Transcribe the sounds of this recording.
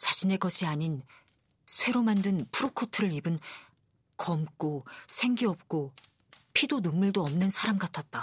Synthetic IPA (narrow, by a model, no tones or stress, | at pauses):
t͡ɕaɕʰine̞ɡʌɕʰiaɲin | sʰwe̞ɾomandɯnpʰuɾokʰotʰɯɾɯɾibɯn | kʌmk͈osʰe̞ŋɡiʌp̚k͈o | pʰidonumːuɭdoʌmnɯnsʰaɾamɡatʰat̚t͈a